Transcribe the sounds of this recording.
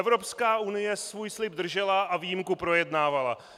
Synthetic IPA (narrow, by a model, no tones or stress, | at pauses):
ɛvɾo̞pskaːʔunɪjɛsvuːjslɪbd̪r̩ʒɛlaʔaviːjɪmkupɾo̞jɛdnaːvala